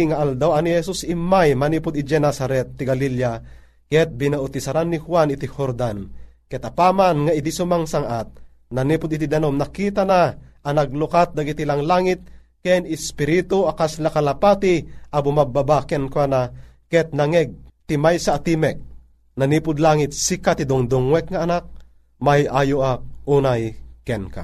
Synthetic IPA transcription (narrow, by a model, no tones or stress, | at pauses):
ŋaʔald̪awanihɛsusimːajmaniːpʊd̪id͡ʒɛnasaɾɛt̪ːiɡalilja | kɛt̪̚binaʊt̪isaɾanːihwanit̪ihoɾd̪an | kɛt̪apamanŋaid̪isumaŋsaŋʔat̪̚ | naniːpʊd̪it̪̬id̪anomnakiːt̪anaʔanaɡ̚lukat̪̚d̪aɡit̪ilaŋlaːŋit̪̚ | kɛnɪspiɾit̪uakaslakalapat̪iʔabumababakɛnkana | kɛt̪̚naŋɛɡ̚t̪imajsaʔːt̪imɛk̚ | naniːpʊd̪laŋit̪̚sikat̪id̪uŋd̪ʊŋwɛk̚ŋaːnak̚ | majajoʔauːnajkɛnka̰